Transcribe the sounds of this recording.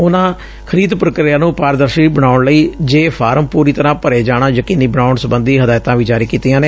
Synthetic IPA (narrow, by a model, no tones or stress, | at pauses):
ʊnãː | kʰəɾiːd̪pɾəkɾɪjãːnũːpaːɾd̪əɾʃiːbəɽaːʊɳləiːd͡ʒeːpʰaːɾəmpuːɾiːt̪əɾãːpəɾeːd͡ʒaːɽãːjəkiːniːbəɳaːʊɳsəbənd̪iːɦəd̪aːjt̪ãːʋiːd͡ʒaːɾiːkiːt̪ijãːneː